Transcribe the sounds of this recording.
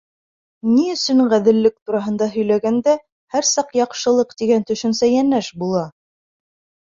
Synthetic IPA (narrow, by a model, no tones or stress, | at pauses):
niɵ̆sɵɴʁæðɘ̆lːɘk̚t̪uɾɑɦɤ̆nd̪ɑɦɵ̆jlæɡænd̪æ | hæɾsɑqjɑqʃɤ̆lˠɤqt̪iɡænt̪ɵ̆ʃɵ̆nsæjænæʃbulˠɑ